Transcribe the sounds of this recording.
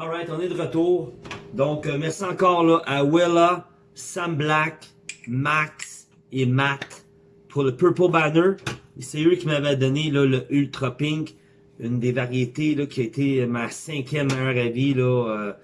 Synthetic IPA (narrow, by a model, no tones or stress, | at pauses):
ɑlʁaɪt̪ɔ̃nɛd̪əʁət̪uːʁd̪ɔ̃kəmɛʁsiɑ̃kɔːʁlɔʔawela | sãmblak | maks | emat̪ | pʰʊʁləpəpɔlbanə˞esɛøkʲimavɛd̪ɔnelɔləʔylt̪ʁɔpɪ̃ŋk | ynd̪evaʁjet̪elɔkʲiaet̪emasɛ̃kʲjɛmːʁavilɔø